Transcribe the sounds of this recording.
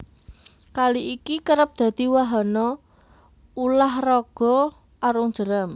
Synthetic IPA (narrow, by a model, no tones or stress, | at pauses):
kaliʔikikəɾəp̚d̪̥a̤d̪̥i̤waɦanɔ | ulahrɔɡ̥ɔ̤ | ʔaɾʊŋ̥ʒ̥ə̤ɾəm